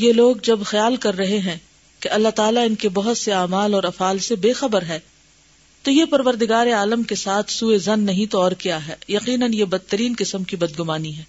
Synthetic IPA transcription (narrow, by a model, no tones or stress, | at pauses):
jeloːɡd͡ʒɐbxɐjaːlkɐɾːɐɦeɦɛ̃ | keʔɐlːat̪aːlaɪnkebɐɦʊt̪seaːmaːlɔːɾɐfaːlsebeːxɐbəɾɦɛː | t̪ojepɐɾʋəɾd̪ɪɡaːɾeaːləmkesaːt̪ʰsuezɐnːɐɦĩt̪oɔːɾkijaɦɛːjɐqiːnənjebɐd̪ːəɾiːnkɪsəmkibɐd̪ɡʊmaːniɦɛː